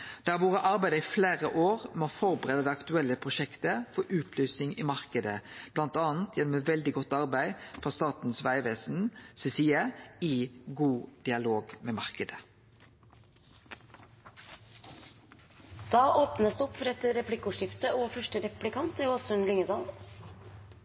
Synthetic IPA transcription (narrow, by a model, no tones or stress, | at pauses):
d̪̥æːʋuːʁəʔɑʁbæɪd̪əɪfleːʁəʔoːʁmɛɔfɔʁbəʁeːd̪əd̪ɛːɑkt̪ʉɛlːəpʰʁʊʃɛkt̪əfɔɾʔʉːt̪ʰlyːsɪŋimɑʁkəd̪əb̥lɑnt̪ɑːnt̪ʰjɛnɔmɛʋɛld̪ɪɡɔt̪ːɑʁbæɪfʁɑst̪ɑːt̪n̩sʋæɪʋeːsn̩sɛsiːəɪɡuːd̪̥ɪɑloːɡmeːmɑʁkəd̪ə | d̪̥ɑːʔoːpnəsd̪ʉɔpfɔɾɛt̪əɾɛpʰlɪkʊʂɪft̪əɔfœʂʈəɾɛpplɪkʰɑnt̪ːɔsɔɛnlʏŋəd̪ɑːl